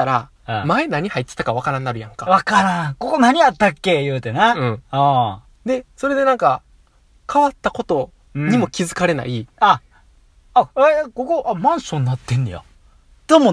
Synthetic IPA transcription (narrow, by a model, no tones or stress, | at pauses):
t̪aɾa | maenaɲ̟ihait̪ːe̥t̪akaβ̞akaɾãnːaɾɯ̟jãŋkaβakaɾãko̞ko̞naɲ̟iat̪ːakːe̞jɯːt̪enaɯ̟̃ã | d̪e̞so̞ɾe̞d̪e̞nãŋka | kʰaβat̪ːako̞t̪o̞ | ɲ̟imo̞kʲizɨkaɾe̞na̰iaː | ekokoʔamãɰ̃sõnːat̪ːẽ̞nd̪eja̰ | d̪̥omo